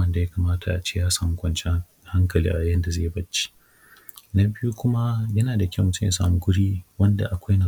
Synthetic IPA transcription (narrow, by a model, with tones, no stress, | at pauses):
ɐ˦nda˨ja˦ka˨maː˦tʰa˨ʔa˨t͡ʃe˦jaː˦saː˨mu˦kʷɐ˨nt͡ʃɛ˦ | ha˦ŋkɐ˨lḭː˦ʔa˨jɐ˦nda˨zeː˦˨bɐ˦t͡ʃːe̥˦ | na˦bɪ˦ju˦kʷʊ˦ma˦jɐ˦naː˨da˨kʲmʊ˨tʊ˦m˨ja̰˨sa̰ː˨mu˦ɡʷʊ˦ɽiː˦wɐ˦nda̰˨ʔa˨kʷa˦jna˨